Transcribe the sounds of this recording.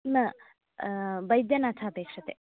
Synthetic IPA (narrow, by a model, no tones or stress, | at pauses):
nɐ | bɐjd̪jɐnaːtʰaːpeːkʂɐt̪e